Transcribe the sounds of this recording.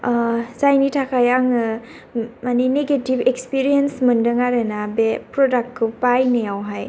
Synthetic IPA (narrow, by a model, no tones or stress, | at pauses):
zajnitʰakʰajaŋɯ | manineɡetibekspiɾijensmɯndɯŋaɾɯnabepɾɔdak̚t̚kʰɯpajnejawɦaj